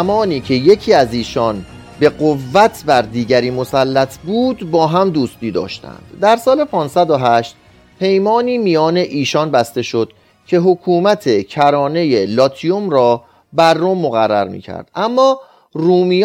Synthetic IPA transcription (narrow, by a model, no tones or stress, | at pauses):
mɒːniːcʰe̞je̞cʰiːæziːʃɒːn | be̞ɢovːæt̪ʰbæɾd̪iːɟæɾiːmo̞sælːæt̪ʰbuːd̪bɒːɦæmd̪uːst̪iːd̪ɒ̰ːʃt̪æ̰nd̪̥ːæɾsɒːle̞pʰɒːnsæd̪oɦæʃt̪̚ | pʰe̞jmɒːniːmijɒːne̞ʔiːʃɒːnbæst̪e̞ʃo̞d̪̥ | cʰe̞ɦokʰuːmæt̪ʰe̞cʰæɾɒːne̞je̞lɒːt̪ʰijomɾɒː | bæɾːomːoɣærːæ̰ɾmḭːcʰæ̰ɾd̪̥ʔæmːɒː | ruːmi